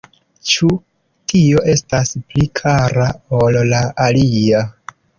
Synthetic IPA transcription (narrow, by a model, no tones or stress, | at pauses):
t͡ʃu | tʰio̞ʔe̞stasplikʰaɾaolːaʔalia